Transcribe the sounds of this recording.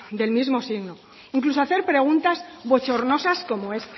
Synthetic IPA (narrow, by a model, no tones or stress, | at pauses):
d̪e̞lmizmo̞siɣno | iŋklusoaθe̞ɾpɾe̞ɣ̞unt̪azβo̞t͡ʃo̞ɾno̞sasko̞moe̞s